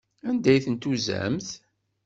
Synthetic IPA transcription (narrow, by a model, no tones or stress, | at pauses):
ænd̪æjθənt̪uzæ̰mθ